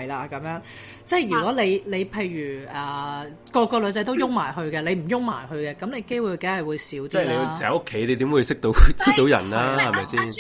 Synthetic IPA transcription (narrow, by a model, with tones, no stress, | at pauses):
ɐ˨jlaː˨˧kɐ˨˥mjœː˨˥ŋ | t͡sɛ˥˩jjyː˨˩kɔ˨˥le˨˧jle˨˧jpʰe˧jjyː˨˩ʔɐː˨ | kɔː˧kːɔː˧lɵ˨˧t͡sɐ˨˥jt̪o˥wjʊ˥ŋmaː˨˩jɦɵ˧ɥkɛː˧le˨˧jm̩˨˩jʊ˥ŋma̰ː˨˩jɦɵ˧ɥkɛː˧kɐ˨˥mne˨˧jke˥jwu˨˧jke˨˥hɐ˨jwuː˨˧jsiː˨˥wt̪iː˥˨le˨˧wsɛː˨˩ɐ˨˦ʔʊ˥kʰːe˨˥jne˨˧jt̪i˨˥mwuː˨˧˥sɪ˥k̚t̪o˨˥wsɪ˥k̚t̪o˨˥wjɐ̰˨˩nlaː˥hɐ˨jmɐ˨jsiː˥˩n